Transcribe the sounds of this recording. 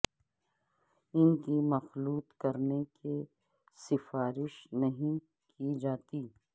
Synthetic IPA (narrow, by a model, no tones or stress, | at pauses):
ɪnkimɐxluːt̪kɐɾneke | sɪfaːɾɪʃnɐɦĩ | kid͡ʒaːt̪iː